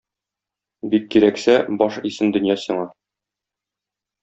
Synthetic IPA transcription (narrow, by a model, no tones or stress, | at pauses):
bikːiɾæksæbɒʃisɘnd̪ɵ̆njɑsiɴɑ